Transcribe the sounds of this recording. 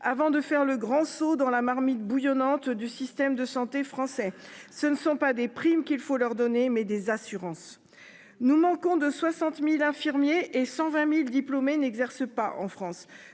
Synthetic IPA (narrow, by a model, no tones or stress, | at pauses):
avɑ̃d̪əfɛʁləɡʁɑ̃sod̪ɑ̃lamaʁmit̪̚bujɔnɑ̃t̪d̪ysist̪ɛmd̪əsɑ̃t̪efχɑ̃sɛsənəsɔ̃pad̪epχimkʲilfolœʁd̪ɔnemɛd̪ezasyʁɑ̃s | numɑ̃kɔ̃d̪əswasɑ̃t̪milɛ̃fiʁmjeʔːsɑ̃vɛ̃mild̪iplomenɛɡzɛʁsəpaʔɑ̰̃fχɑ̃s